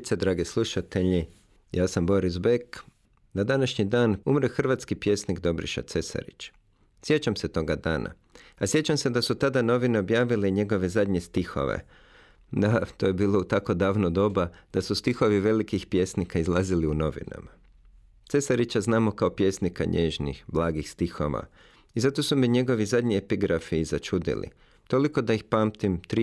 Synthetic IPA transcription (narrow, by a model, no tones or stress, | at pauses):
t̪sed̪ɾaːɡeslˠuʃat̪eʎi | jaːsambo̞ɾizbek | nad̪anaʃɲid̪aːnumɾexr̩ʋat̪skipje̞ːsniɡd̪o̞bɾḭʃa̰t̪se̞sa̰ɾḭt͡ʃ | sje̞t͡ɕamse̞t̪o̞ɡad̪a̰ːna̰ | asje̞t͡ɕamse̞d̪asut̪ad̪ano̞ʋine̞o̞bjaːʋileɲe̞ɡo̞ʋe̞zad̪ɲe̞st̪ixo̞̰ʋḛ | d̪at̪o̞ːjebiːlˠo̞ut̪ako̞d̪aːʋnod̪o̞bad̪̥asust̪ixo̞ʋiʋe̞likixpje̞snikaizlˠaziliuno̞ʋḭna̰ma | t̪se̞saɾit͡ɕaznaːmo̞kao̞pje̞snikaɲeːʒnḭxblˠaːɡixst̪ixo̞ʋa̰ | izat̪o̞sumiɲe̞ɡo̞ʋizad̪ɲiepiɡɾafiːzat͡ʃud̪ḭlḭ | t̪o̞liko̞d̪aixpaːmt̪imt̪ɾi